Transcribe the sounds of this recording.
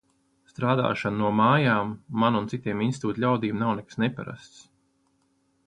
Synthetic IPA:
st̪ɾaːd̪a̰ːʃannuɔmaːjaːmːanunt̪sit̪iɛminsit̪uːt̪lʲawd̪iːmnawnɛkḁsnepa̰ɾa̰st̪s

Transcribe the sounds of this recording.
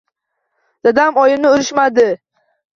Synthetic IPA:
d̪̥ad̪amɒjɪnɪʊɾɪʃmad̪ɪ

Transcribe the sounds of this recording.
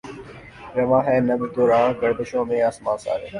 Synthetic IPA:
ɾɐʋãːɦɛːnəbɾd̪oːɾãːɡəɾd̪ɪʃõːmẽːəsmãːsa̰ːɾeː

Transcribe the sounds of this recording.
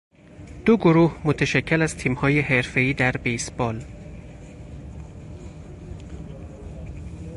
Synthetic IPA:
d̪̥oɡoɾuːhmot̪ʰeʃæcʰːelæzt̪ʰiːmhɒːje̞ɦe̞ɾfe̞iːd̪æɾbejsb̥ɒːl

